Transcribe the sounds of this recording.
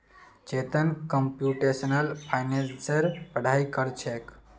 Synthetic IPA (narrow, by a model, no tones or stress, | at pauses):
d͡ʒet̪ənkəmpjuʈesənəlpʰajnẽssəɾpəɽʱaikəɾt͡ʃʰek